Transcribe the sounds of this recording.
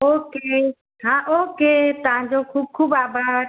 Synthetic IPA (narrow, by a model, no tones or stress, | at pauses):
oːke | ɦãːʔoːkeːt̪əɦãːɲd͡ʑoːkʰuːb̚kʰuːbaːbəɾ